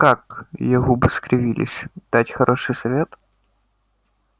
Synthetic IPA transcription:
kakjɪɣubɨskɾʲɪvʲilʲɪ̰sʲd̪̥atʲxɐɾʔoʂɨjsɐvʲet̪

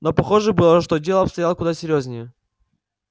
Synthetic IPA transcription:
nopɐxoʐɨbɨlˠəʂt̪odʲelˠəɐpst̪ɐjalˠəkʊd̪asʲɪɾʲjozʲnʲɪjə

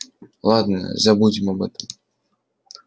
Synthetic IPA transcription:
lˠad̪nə̰zɐbudʲɪmɐbɛt̪əm

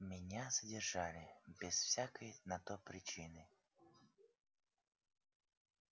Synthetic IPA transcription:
mʲɪnʲazədʲɪrʐalʲɪbʲɪsfsʲakəjnɐt̪opɾʲɪt͡ɕinɨ

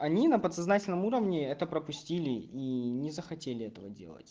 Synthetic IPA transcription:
ɐnʲinəpət̪sɐznatʲɪlʲnəmuɾəvnʲɪɛt̪əpɾəpʊsʲtʲilʲɪinʲɪzəxɐtʲelʲɪɛt̪əvə̰dʲḛlˠə̰tʲ

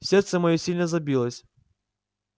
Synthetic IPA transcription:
fsʲɛrt̪sɛmɐjɔsʲilʲnɐzɐbʲilˠəsʲ

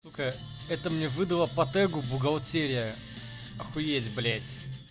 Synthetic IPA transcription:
t̪ukəɛt̪əmnʲɛvɨd̪ɐlˠəpɐt̪ɛɡʊbʊɡɐlˠt͡sʲeɾʲɪjə | ɐxʊjedʲblʲetʲ

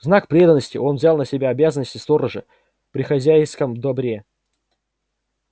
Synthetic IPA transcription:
znak̚pɾʲe̞d̪ənːəsʲtʲɪ̰ʔo̞nvzʲalˠnəsʲɪbʲaɐbʲazənːəsʲtʲɪst̪o̞ɾəʐɨ | pɾʲɪxɐzʲæjskəmd̪ɐbɾʲe̞

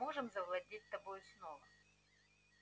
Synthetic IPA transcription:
oʐɨmzɐvlˠɐdʲit̚ʲt̪ɐbojʊsnovə

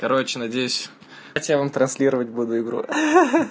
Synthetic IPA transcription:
kɐɾot͡ɕɪnɐdʲejʊsʲ | ɐtʲjavɐmt̪ɾɐnsʲlʲiɾəvət̚ʲbud̪ʊɪɡɾṵ

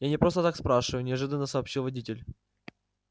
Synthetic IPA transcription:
janʲɪpɾo̞st̪ət̪akspɾaʂɨvəjʊnʲɪɐʐɨd̪ənːəsəːpɕːilˠvɐdʲitʲɪlʲ

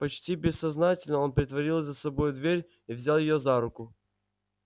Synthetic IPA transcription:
pɐt͡ɕtʲibʲɪsːɐznatʲɪlʲnəo̞npɾʲɪt̪vɐɾʲilˠzəsɐbo̞jʊd̪vʲeɾʲ | ivzʲalˠjɪjozaɾʊkʊ

